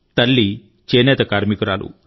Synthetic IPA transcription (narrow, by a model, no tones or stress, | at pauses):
t̪ɐlːi | t͡ʃeːnɛːt̪ɐkaːɾmikuɾaːlṵ